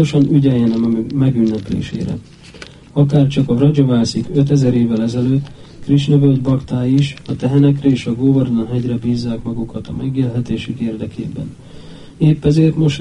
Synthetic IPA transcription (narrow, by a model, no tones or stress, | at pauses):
oʃɒnyɟɛjɛnɛmmɛɡynːɛplḛːʃḛːɾɛ̰ | ɒkaːrt͡ʃɒkɒrɒd͡ʒo̞vaːlsikø̞t̪ɛzɛɾeːvːɛlɛzɛløːt̪ː | kriʃnøvøld̪bɒkt̪aːjiʃɒt̪ɛɦɛnɛkrɛeːʃɒɡoːvornɒnɦɛɟrɛbiːzːaːkmɒɡukɒt̪ɒ̰mɛɡjilɦɛt̪eːʃykeːrd̪ɛkʰḛːbɛ̰n | eːpːɛzeːrt̪mo̞ʃ